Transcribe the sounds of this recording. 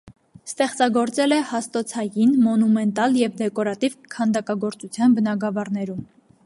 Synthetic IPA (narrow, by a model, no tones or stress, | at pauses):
st̪ɛχt͡sɑɡɔɾt͡sɛlɛhɑst̪ɔt͡sʰɑjinmɔnumɛnt̪ɑljɛvd̪ɛkɔɾɑt̪ivkʰɑnd̪ɑkɑɡɔɾt͡sut͡sʰjɑnbənɑɡɑvɑrnɛɾum